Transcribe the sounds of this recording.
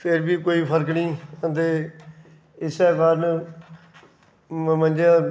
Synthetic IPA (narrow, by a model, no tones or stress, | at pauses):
pʰɪɾbiːkoːiːpʰəɾkniːət̪eː | ɪsɛːkaːɾn | mə̃nd͡ʒãː